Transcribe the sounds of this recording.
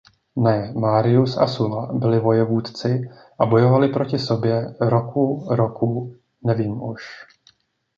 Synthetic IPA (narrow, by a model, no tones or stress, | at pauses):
nɛmaːɾɪusa̰sulabɪlɪvo̞jɛvuːt̪t͡sɪ | ʔabo̞jo̞valɪpɾo̞cɪso̞bjɛɾo̞kʰuɾo̞ku | nɛviːmʔuʃ